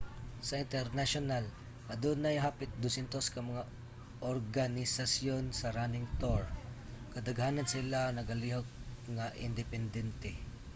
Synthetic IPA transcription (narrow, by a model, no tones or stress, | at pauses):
sɐɪnt̪ɛɾnaʃonal | ʔɐd̪unajɦaːpɪt̪̚d̪ʊsɛnt̪oskɐmɐŋa | ʔoɾɡanɪsasjonsɐɾanɪŋt̪oɹ | kɐd̪ɐɡhanansɪlanɐɡɐliɦok̚ŋaʔɪnd̪ɪpɛnd̪ɛnt̪ɛ